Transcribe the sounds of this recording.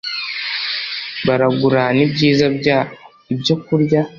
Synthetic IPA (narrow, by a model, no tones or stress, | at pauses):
βaɾaɡuɾanibɟiːza | ibɟokuɾja